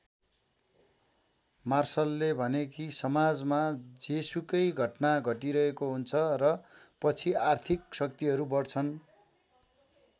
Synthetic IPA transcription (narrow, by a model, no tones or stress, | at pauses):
marsʌlːebʱʌnekisʌmad͡zmad͡zesukʌjɡʱʌʈnaɡʱʌʈiɾʌɦekoɦunt͡sʰʌɾʌpʌt͡sʰiart̪ʰik̚sʌkt̪iɦʌɾubʌrt͡sʰʌn